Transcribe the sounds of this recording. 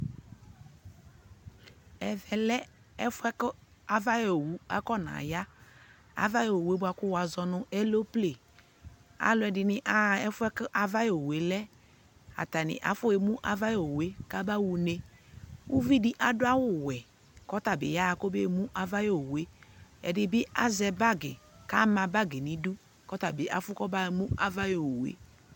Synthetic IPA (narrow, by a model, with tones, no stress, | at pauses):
ɛ˨vɛ˨lɛ˦ | ɛ˦fʊ˦ɛ˦ka˨va˦jo˨wu˦a̰˦kɔ˦na̰˨ja˦ | a̰˨va˦jo˨we˦bʊ˦a˨kʊ˦wa˨zɔ˨nʊ˦ʔɛ˦lo˦ple˨ | a̰˨lʊ˨˦ɛ˨dɪ˨nɪ˦ʔa˦ɛ˦fʊ˦ɛ˦kɨ˦ʔa˨va˦jo˨we˨lɛ˦ | a̰˨ta˨nɪ̰˨ʔa̰˨˦fʊ˦e˨mũ˦ʔa˨va˦jo˨we˦ka˦ba˦wu˨ne˦wu˦vi˦dɪ˦ʔa˨dʊ˦a˦wʊ˨wɛ˨ | kɔ˦ta˨bɪ̰˨ja˦a˨ko˦be˦˨mũ˦ʔa˨va˦jo˦˨o˨we˦ɛ̰˨dɪ˨bɪ˦a˦zɛ˨ba˦ɡɪ˨ka˦mã˨ba˦ɡɪ˨nĩ˨du˦ | kɔ˦ta˨bɪ˨ʔa̰˨fʊ˦kɔ˦ba˦˨mũ˦a˦va˦jo˨o˨wḛ˦